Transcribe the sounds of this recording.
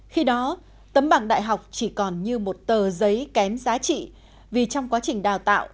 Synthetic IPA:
xi˧ɗɔ˨˦ | t̪ə˨˦mɓaː˧˩ŋɗa̰ː˧˨jɦa˨˩wk͡p̚t͡ɕi˧˩kɔ˨˩nɲɨ˧mo˨˩t̚t̪əː˨˩zə˨˦jkɛ˨˦mzaː˨˦t͡ɕḭ˧˨ | vi˨˩t͡ɕɔ˧wŋ͡mkwaː˨˦t͡ɕï˨˩ŋ̟ɗaː˨˩wt̪a̰ː˧˨wʔ

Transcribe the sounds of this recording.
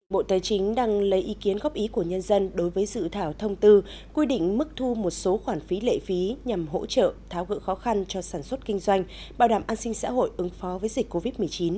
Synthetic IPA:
ɓo̰˧˨t̪aː˨˦jt͡ɕï˨˦ŋ̟ɗaː˧ŋlə˨˦jʔi˨˦ki˨˦ənɣɔ˦˥p̚ʔi˨˦ku˧˩əɲə˧nzə˧nɗo˨˦jvəː˨˦jzɨ̰˧˨t̪ʰaː˧˩wt̪ʰə˧wŋ͡mt̪ɨ˧ | kwi˧ɗḭ̈˧˨ŋ̟mɨ˦˥k̚t̪ʰu˧mo˨˩t̚so˨˦xwaː˧˩nfi˨˦lḛ˧˨fi˨˦ɲa˨˩mɦo̰˧˥t͡ɕə̰ː˧˨t̪ʰaː˨˩wɣɨ̰˧˥xɔ˨˦xa˧nt͡ɕɔ˧saː˧˩nswə˦˥t̚kï˧ŋ̟zwa˧jŋ̟ | ɓaː˨˩wɗaː˧˩mʔaː˧nsï˧ŋ̟sa̰ː˧˥ɦo̰˧˨jʔɨ˨˦ŋfɔ˨˦vəː˨˦jzï˨˩k̟̚kːo˧vi˦˥t̚mɨ˨˩ət͡ɕi˨˦n

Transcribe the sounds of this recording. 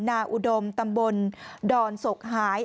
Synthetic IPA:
naː˧ʔu˧do˧mt̪a˧mbo˧ndɔː˧nso˨˩k̚haː˩˦j

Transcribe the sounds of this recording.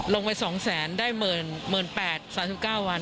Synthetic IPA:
lo˧ŋpa˧jsɔː˩˦ŋsɛː˩˦ndaː˥˩jmɤː˨˧˩nmɯː˨˩npɛː˨˩t̪̚saː˩˦msi˨˩kaː˥˩wːa˧n

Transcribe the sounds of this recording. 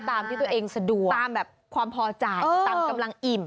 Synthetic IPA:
t̪aː˧mt̪ʰiː˥˩˧ɐ˧ʔeː˧ŋsa˧du˨˩ət̪aː˧mbɛː˨˩p̚kʰwaː˧mpʰɔː˧t͡ɕa˧jːaː˧mka˧mla˧ŋʔi˨˩m

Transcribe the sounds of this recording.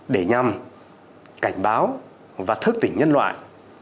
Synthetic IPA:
ɗe˧˩ɲa˨˩m | ka˧˩jŋ̟ɓaː˨˦w | vaː˨˩t̪ʰɨ˦˥k̚t̪ï˧˩ŋɲə˧nlwa̰ː˧˨jʔ

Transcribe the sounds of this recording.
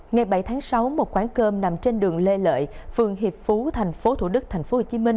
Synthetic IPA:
ŋa˨˩jɓa˧˩jt̪ʰaː˨˦ŋsa˨˦wmo˨˩t̚kwaː˧˥˦nkəː˧mna˨˩mt͡ɕe˧nɗɨ˨˩əŋle˧lə̰ː˧˨jfɨ˨˩əŋɦi˨˩p̚fu˨˦t̪ʰa˨˩jŋ̟fo˨˦t̪ʰṵ˧˩ɗɨ˦˥k̚t̪ʰɛ˨˩ŋ̟fo˨˦ho˨˩t͡ɕi˨˦mï˧ŋ̟

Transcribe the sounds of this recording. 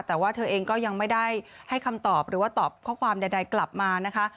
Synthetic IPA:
t̪ɛː˨˩waː˥˩t̪ʰɤː˧ʔeː˧ŋkɔː˥˩ja˧ŋma˥˩jda˥˩jha˥˩jkʰa˧mt̪ɔː˨˩p̚ɾɯː˩˦waː˥˩t̪ɔː˨˩p̚kʰɔː˥˩kʰwaː˧mda˧jda˧jkla˨˩p̚maː˧na˦˥kʰa˦˥ʔ

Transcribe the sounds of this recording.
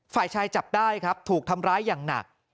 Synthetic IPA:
faː˨˩jt͡ɕʰaː˧jt͡ɕa˨˩p̚daː˥˩jkʰɾa˦˥p̚t̪ʰuː˨˩k̚t̪ʰa˧mɾaː˦˥jːaː˨˩ŋna̰˨˩k̚

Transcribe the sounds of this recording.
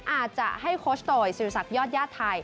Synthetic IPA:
ʔaː˨˩t̪̚t͡ɕa˨˩ʔha˥˩jkʰoː˦˥st̪oː˧˩jsiː˨˩˦sa˨˩jɔː˥˩t̪̚jaː˥˩t̪ʰːa˧j

